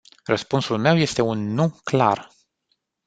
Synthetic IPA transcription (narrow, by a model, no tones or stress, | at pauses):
rəspunsulme̞wje̞st̪e̞unːukla̰r